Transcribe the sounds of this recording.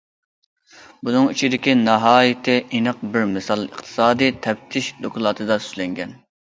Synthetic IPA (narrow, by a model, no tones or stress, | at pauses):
bunɨŋit͡ʃʰid̪ɪkʲinɑɦɑːjɪt̪ʰɪʔinɨq̚bɪɾmɨsɑlˠə̰qt̪ʰɨ̥sɑːd̪ɨt̪ʰɛp̚t̪ʰɪʃd̪okʰʊlˠɑːt̪ʰɨd̪ɑsy̥ʃlɛŋɡʲɛn